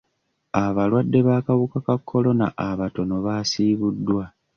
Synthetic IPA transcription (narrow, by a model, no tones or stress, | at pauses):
aβalwadːe̞βakaβukakakʰːo̞lo̞na̰ʔaβato̞no̞βasiːβudːwa